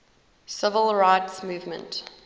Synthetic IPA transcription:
sɪvəlˠɹaɪtsmuːvmə̰̃nt

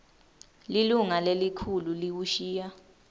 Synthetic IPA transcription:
liluŋalelikʰululiwuʃiːja

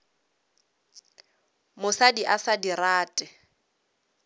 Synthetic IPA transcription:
mʊsadiʔasadiraːtʼɛ

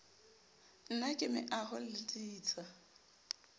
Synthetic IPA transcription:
n̩nakʼɪmɪ̰ʔahʊlɪtʼiːt͡sʼa

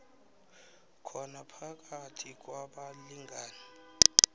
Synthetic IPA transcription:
kʰɔnapʰak̬ʼatʰik̬ʼwaɓaliŋɡʱaːna

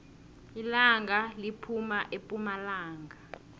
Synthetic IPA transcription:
ilaŋɡʱalipʰumaʔepʼumalaːŋɡʱa

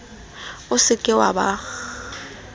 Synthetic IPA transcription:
ʊsɪkʼɪwaba

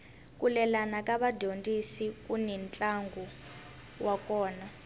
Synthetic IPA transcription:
kʼulɛlanakʼaɓadʱondʼisik̬ʼunɛnt͡ɬʼaŋɡʱu | wak̬ʼɔːna

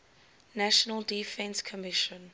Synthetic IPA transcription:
næʃənəldifɛ̃nskʰɔmɪʃə̃n

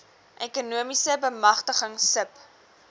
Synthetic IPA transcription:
ʔekunuəmisəbəmɐχtəχəŋsəp

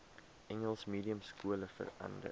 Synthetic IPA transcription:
ʔɛŋəlˠsmiːdiəmskuələfə̰rɐ̰ndə̰

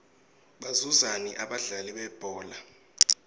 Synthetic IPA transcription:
ɓazuzaniʔaɓaɮaliɓɛb̥ʱɔːla

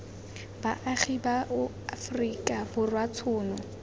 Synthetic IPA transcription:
baʔaχibaʔʊ | afrikʼabʊrwatʰʊːnɔ

